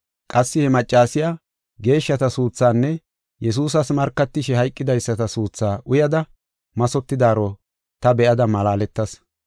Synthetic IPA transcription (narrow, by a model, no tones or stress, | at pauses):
kʼɐsːɪhɛmɐt͡ʃʼːaːsɪjaː | ɡe̞ːʃːɐt̪ɐsuːt͡sːaːnːɛ | jɛs̬uːs̬ɐsmɐɾkːɐt̪ːɪʃɛhɐjkʼːɪd̪ɐjsːɐt̪ɐsuːt͡sːaːʔʊjɐd̪ɐ | mɐsɔt̪ːɪd̪aːɾɔ | t̪ɐbɛʔɐd̪ɐmɐlaːlɛt̪ːɐs